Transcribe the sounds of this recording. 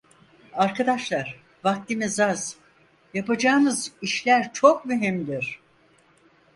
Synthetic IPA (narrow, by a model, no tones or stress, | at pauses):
aɾkad̪aʃlˠaɾ̥ | vak̚t̪imezaz̥ | japad͡ʒaːnɯziʃlʲæɾt͡ʃʰo̞k̚myɦimd̪iɾ̥